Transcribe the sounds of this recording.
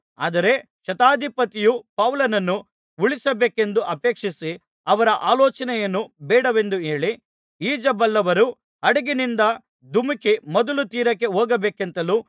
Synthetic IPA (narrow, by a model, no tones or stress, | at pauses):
a̰ːd̪ɐɾe̞ | ʃɐt̪aːd̪ʱipɐt̪ijupɐʋlɐnɐnːu | uɭisɐbeːke̞nd̪uʔɐpeːkʂisi | ɐʋɐɾɐʔaːlɔːt͡ʃɐnɛjɐnːubɛːɽɐʋe̞nd̪ue̞ːɭi | iːd͡ʒɐbɐlːɐʋɐɾu | ɐɽɐɡinind̪ɐ | d̪umikimɐd̪ulut̪iːɾɐkːe̞ɦoːɡɐbeːkent̪ɐluː